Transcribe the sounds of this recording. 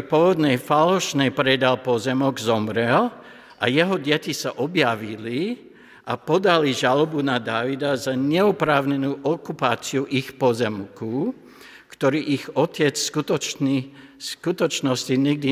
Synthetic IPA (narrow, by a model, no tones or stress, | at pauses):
pɔʋɔd̪nɛjfalɔʃnɛjpɾɛd̪alpɔzɛmɔɡzɔmɾɛl | ʔa̰jɛɦɔɟɛcisaʔɔbjaʋili | ʔapɔd̪aliʒalɔbunad̪aːʋid̪azaɲɛupɾaːʊɲɛnuːʔɔkupaːt͡siuʔixpɔzɛmku | kt̪ɔɾiːʔixɔcɛt͡sskut̪ɔ | skut̪ɔt͡ʃnɔsciɲɛɡ̚d̪i